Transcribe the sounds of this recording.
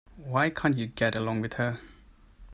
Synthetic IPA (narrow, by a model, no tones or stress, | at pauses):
waɪkʰãnt͡ʃɨɡɛɾəlɔ̃ŋwɪð̥hə